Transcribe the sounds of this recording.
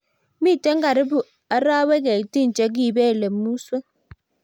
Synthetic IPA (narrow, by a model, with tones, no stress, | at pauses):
mi˦˨te˦ŋ̩˦ɡa˨ɾi˦bu˨ | a˨˦ɾa˦we˦ɡe˨ti˦n̩˨t͡ʃe˦ɡ̬i˦˨be˦˨le˨mːu˦swe˦